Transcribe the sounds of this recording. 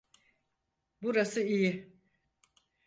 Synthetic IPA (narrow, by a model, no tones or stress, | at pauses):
buɾasɯijɪ